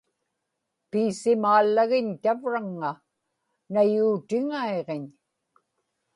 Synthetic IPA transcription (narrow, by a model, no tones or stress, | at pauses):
piːsɪmaːlːaɣɪɲt̪avɻaŋːa | najuːt̪ɪŋaeʁeɲ